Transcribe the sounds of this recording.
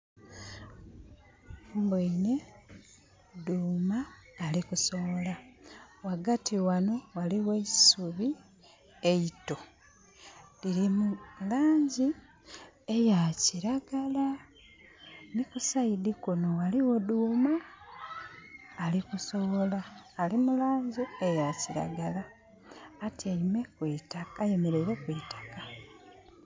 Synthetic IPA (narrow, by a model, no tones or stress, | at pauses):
umboine | duːmaːlikuso̞βolawaɡatiwano̞waliwe̞suβi | eito̞ | liɾimulaːɲɟi | ejaciɾaɡala | nikusaidikuno̞waliwoduːma | likuso̞βo̞laːlimulaːɲɟiejaciɾa̰ɡalaː | tiaime̞kwiːtakaje̞me̞ɾe̞ɾe̞kwitḁka